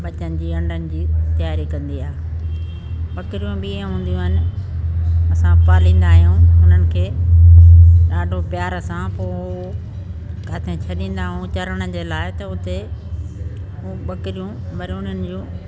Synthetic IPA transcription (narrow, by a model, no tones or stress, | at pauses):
ɓɐt͡ɕənɪ̆d͡ʑiːɐ̃ɳɖənɪ̆d͡ʑiːt̪ɐjaːɾikɐ̃nd̪iaːɦe | ɓɐkɪɾijũɓĩːɦũːn̆d̪ijũɪnɪ̆ | ɐsãpaːlĩːn̆d̪aːɦijũɦʊn̤ənɪ̆kʰeː | ɗaːɖʱopɪjaːɾəsãpoːɦu | kaːt̪ʰẽt͡ɕʰɐɗĩːn̆d̪aːɦjũt͡ɕɐɾəɽ̃əd͡ʑeːlaːɪt̪ɐʊt̪e | uɓɐkɪɾijũ | ʋɐɾiʊn̤ənɪ̆d͡ʑũː